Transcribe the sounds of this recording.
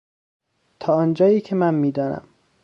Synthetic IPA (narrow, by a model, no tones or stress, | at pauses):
t̪ʰɒːɒːnd͡ʒɒːjiːcʰemænmiːd̪ɒːnæ̰m